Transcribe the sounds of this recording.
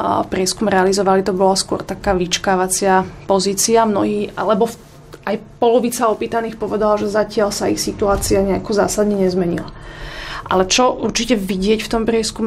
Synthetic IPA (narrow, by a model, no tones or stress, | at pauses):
pɾɪɛskumɛɾɛalizɔʋalit̪ɔbɔlaskwɔ̰ɾt̪akaːʋit͡ʃkaːʋat͡sɪapɔziːt͡siamnɔɦiːa̰lɛbɔ | ʔajpɔlɔʋiːt͡saɔpiːt̪aniːxpɔʋɛd̪alaʒɛzacɪalsaixsit̪uaːt͡siaɲɛakɔzaːsad̪ɲɛɲɛzmɛɲḭla | ʔa̰lɛt͡ʃɔʔuɾt͡ʃicɛʋiɟɪɛcft̪ɔmpɾɪɛskum